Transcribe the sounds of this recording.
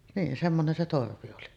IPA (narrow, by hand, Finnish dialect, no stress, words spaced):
niːn semːonen se torʋi oli